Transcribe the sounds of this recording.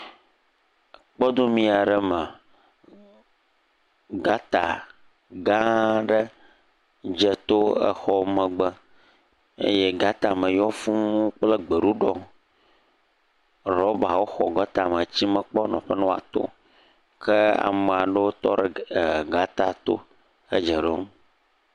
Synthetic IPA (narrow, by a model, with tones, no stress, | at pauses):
k͡pɔ˦d̪o˦mĩ˦a˨ɖə˦mə˨ | ɡa˦t̪a˨ | ɡã˦ɖə˦ | d͡ʒə˦t̪o˦ə̰˨xɔ˦mə̃˨ɡ͡bə˦ | ḛ˦jɛ˦ɡa˦t̪a˨mə̃˨jɔ˦fũ˦mũ˦k͡plə˦ɡ͡bə˨ɖu˦ɖɔ˦ | ɾɔ˦ba˨wo˦xɔ˨ɡə˦t̪a˨mə˨t͡ɕi˦mə̃˨k͡pɔ˦nɔ̰̃˨ɸə˦nɔ̃˦a̰˨t̪o̰˦ | kʰə˦a̰˨mə˨a˨ɖə˦wo˦t̪ɔ˦ɖə˨ɡa˦t̪a˨t̪o̰˦ | ə̰˦d͡ʒə˨ɖo˦m